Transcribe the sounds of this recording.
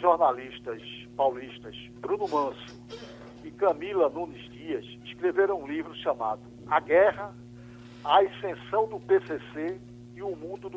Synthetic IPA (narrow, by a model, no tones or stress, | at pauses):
ʒoɾnaliʃt̪ɐs | pawliʃt̪ɐs | bɾũnʊmɐ̃sʊ̥ | ɪkɐ̃milɐnũnizdiɐs | iskɾeveɾɐ̃w̃ũlivɾʊʃɐ̃ma̰d̪ʊ | aɡɛɦɐ | aesẽsɐ̃w̃d̪ʊpesese | iʊmũd̪ʊd̪